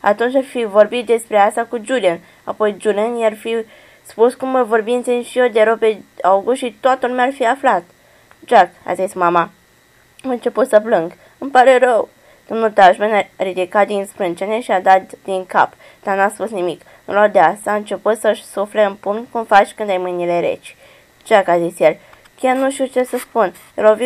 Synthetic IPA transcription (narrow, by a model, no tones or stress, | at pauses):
a̰t̪unt͡ʃʲarfivo̞rbit̪̚d̪e̞spɾe̞ast̪akud͡ʒulian | a̰po̞jd͡ʒulianjarfi | spuskuməvo̞rbint̪sinʃiod̪eɾowpe̞awɡuʃit̪oat̪əlumʲearfiaflat̪ | d͡ʒaka̰zismama | ɨnt͡ʃe̞put̪səplɨŋɡ | ɨmpaɾe̞ɾəw | d̪̥o̞mnult̪aʒmenaɾid̪ikat̪̚d̪inspɾɨnt͡ʃeneʃiad̪at̪̚d̪iŋka̰p | d̪̥anuaspusnimik | nṵlad̪easaːɨnt͡ʃe̞put̪səʃsufleɨnpuŋt̪kumfat͡ʃʲkɨnd̪ajmɨjnileɾe̞̰t͡ʃʲ | d͡ʒakazisjel | kʲarnuʃt̪it͡ʃe̞səspun | jelovi